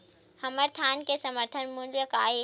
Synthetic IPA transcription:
hɐməɾt̪ʰaːnkesɐməɾt̪ʰənmuɳɖjəkaːi

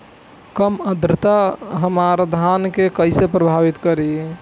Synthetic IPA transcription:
kəməd̪ɾɪt̪aɦəmaɾd̪ʱankekəɪsepɾəbʱabit̪kəɾi

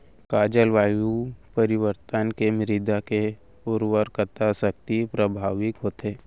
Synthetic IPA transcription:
kaːd͡ʒəlʋaːjupəɾɪʋəɾt̪ənkemɾɪd̪ake | ʊɾwəɾkət̪asək̚t̪ipɾəbʱaːʋɪkɦoːt̪ɦeː

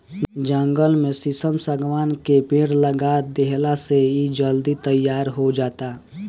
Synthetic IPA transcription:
d͡ʒə̃ŋɡəlmẽsɪsəmsəɡʋaːnkepẽːɽləɡad̪eɦlaseid͡ʒəld̪it̪əjːaːɾɦod͡ʒaːt̪a

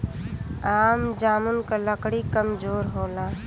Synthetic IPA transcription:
aːmd͡ʒaːmunkaləkɽikəmd͡ʒoːɾɦoːlãː

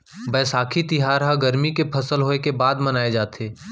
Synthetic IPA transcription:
bɛːsaːkʰit̪ɪɦaːɾɦaɡɐɾmikepʰɐsəlɦoːekebaːd̪mɐnaːed͡ʒaːt̪eː

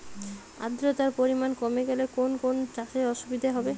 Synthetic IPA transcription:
a̰d̪ɾot̪aɾpoɾimankɔmeɡɛlekonkont͡ʃaʃeɔʃubid̪ʱaɦɔbe

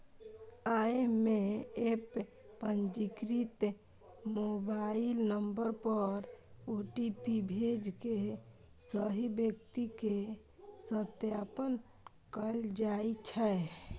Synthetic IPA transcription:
aemeepː | ənd͡ʒikɾit̪ | mobailnəmbəɾpəɾoʈipibʱed͡ʒke | səɦibjək̚t̪ike | sət̪japən | kəld͡ʒait͡ʃʰɛ

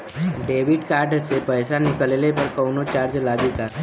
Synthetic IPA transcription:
ɖeʋiɖkaɾɖsepəjsanikəlelepəɾkəwnot͡ɕaɾd͡ʒlaɡik̪a

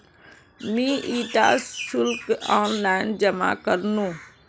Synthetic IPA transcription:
mĩːʔiːʈaːssʊlkaːnlaːɪnd͡ʒəma̰kəɾnũː

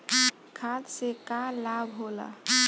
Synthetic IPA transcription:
kʰad̪sekalabɦola̰

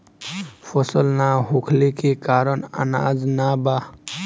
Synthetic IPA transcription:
pʰəsəlnaɦokʰlekekaːɾənə̰na̰ːd͡ʒnaba

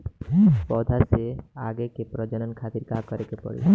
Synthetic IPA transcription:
pɔd̪ʱasea̰ɡekepɾəd͡ʒənənkʰat̪iɾkakəɾekepɔ̰ɽḛ

